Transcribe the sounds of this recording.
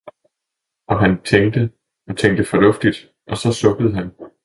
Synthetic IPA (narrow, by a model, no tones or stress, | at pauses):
ʔɒ̽ɦænt͡sʰeŋd̥ə | t͡sʰeŋd̥əfɒ̽lɔ̽fd̥id̥ | ʔɒ̽sɒ̽sɔ̽ɡ̥əð̞̩ˠɦæn